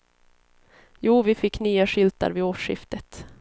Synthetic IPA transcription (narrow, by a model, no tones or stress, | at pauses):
juːvɪfɪkːnyːaʂʏlt̪a̰ɾvɪoːʂɪ̰ft̪ət̪